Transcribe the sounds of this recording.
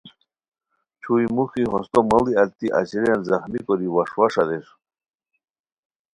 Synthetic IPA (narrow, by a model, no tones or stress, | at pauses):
t͡ɕʰujmuxiɦɔst̪ɔmaliat̪ːiʔa̰t͡ɕɾjanzaxnikɔɾiwaʂwaʂad̪eʂ